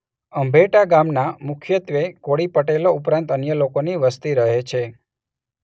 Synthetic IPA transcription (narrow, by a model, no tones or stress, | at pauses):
əmbʱeʈaɡamnamʊkʰjət̪ʋekoɽipəʈeloupɾãnt̪ənjəlokoniʋəst̪iɾəɦet͡ʃʰe